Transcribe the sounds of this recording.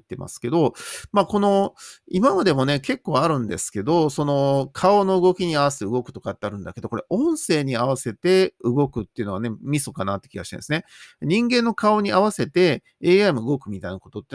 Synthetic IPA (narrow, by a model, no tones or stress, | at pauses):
t̪ːe̞ma̰sɨ̥ke̞d̪o̞maːko̞no̞imamad̪e̞mo̞ne̞ke̞kːo̞ːaɾɯ̟̃nd̪e̞sɨ̥ke̞d̪o̞so̞no̞kʰao̞no̞ɯ̟ɡo̞kʲiɲ̟iaβaseɯ̟ɡo̞kɯ̟̥t̪o̞kat̪ːeaɾɯ̟̃nd̪ake̞d̪o̞ko̞ɾe̞ʔõ̞ɰ̃se̞ːɲ̟iaβ̞ase̞t̪e̞ɯɡo̞kɯ̟t̪ːeiɯ̟noane̞mʲiso̞kanat̪ːe̥kʲiɡaɕi̥t̪ḛnd̪sɨneɲ̟ĩŋɡẽ̞nːo̞kao̞ɲ̟iaβase̞t̪e̞ | eːamɯ̟ɯɡo̞kɯ̟mʲit̪ainako̞t̪o̞t̪ːe